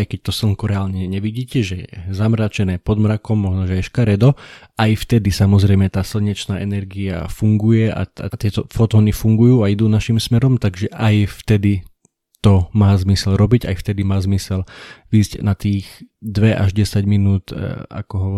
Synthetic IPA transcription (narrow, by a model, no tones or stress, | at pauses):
jkɛc̚t̪ɔsl̩ŋkuɾɛaːlɲɛɲɛʋiɟiːcɛʒɛjɛ̰zamɾaːt͡ʃɛnɛːpɔd̪mɾakɔmːɔʒnɔʒɛajʃkaɾɛd̪ɔ | ajft̪ɛd̪isamɔzɾɛjmɛt̪aːsl̩ɲɛt͡ʃnaːʔɛnɛɾɡia̰fuŋɡujɛa̰a̰t̪ɪɛt̪ɔfɔt̪ɔːnifuŋɡujuːaid̪uːnaʃimsmɛɾɔmt̪aɡʒɛʔajft̪ɛd̪i | t̪ɔmaːzmisɛlɾɔbiɟa̰jft̪ɛd̪imaːzmisɛlʋiːzɟnat̪iːɣd̪ʋɛʔa̰ʒɟɛsaɟminuːt̪a̰kɔɦɔ